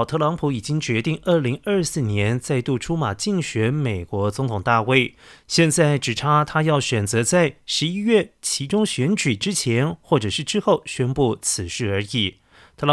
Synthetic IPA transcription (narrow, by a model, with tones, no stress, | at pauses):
t̪ʰɤ˥˧lɑ˧˥ŋpʰu˧˥i˨˩t͡ɕi˥ŋt͡ɕɥɛ˧˥t̪i˥˧ŋə˞˥˩li˧˥ŋə˞˥˧sɹ̩˥˩njɛ˧˥nt͡sa˥˧ɪt̪u˥˩ʈ͡ʂʰu˥ma˨˩t͡ɕi˥˩ŋɕɥɛ˧˥nme˨˩ɪkwɔ˧˥t͡sʊ˧˥ŋt̪ʰʊ˨˩ŋt̪a˥˧we˥˩ɪɕjɛ˥˧nt͡sa˥˩ɪʈ͡ʂɻ̩˨˩ʈ͡ʂʰa˥t̪ʰa˥jɑ˥˩ʊɕɥɛ˨˩nt͡sɤ˧˥t͡sa˥˩ɪʂɻ̩˧˥i˥ɥɛ˥˩t͡ɕʰi˧˥ʈ͡ʂʊ˥ŋɕɥɛ˧˥nt͡ɕy˨˩ʈ͡ʂɻ̩˥t͡ɕʰjɛ˧˥nxwɔ˥˩ʈ͡ʂɤ˨˩ʂɻ̩˥˩ʈ͡ʂɻ̩˥xo˥˩ʊɕɥɛ˥npu˥˩t͡sʰɹ̩˨˩ʂɻ̩˥˩ə˞˧˥i˨˩˦ | t̪ʰɤ˥˩lɑ˧